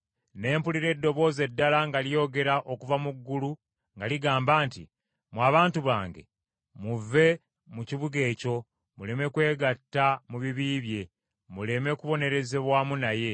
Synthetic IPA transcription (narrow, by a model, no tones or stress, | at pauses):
ne̞ːmpuliɾe̞dːo̞βo̞ːze̞dːalaŋɡalijo̞ːɡe̞ɾaʔo̞kuvamuɡːulu | ŋɡaliɡaːmbaːntḭ | mwaːβaːntuβaːŋɡe̞̰ | muve̞ | muciβuɡe̞ːco̞ | mule̞me̞kwe̞ːɡatːamuβiβiːβje̞ | mule̞me̞kuβo̞ne̞ɾe̞ze̞βwaːmunaje̞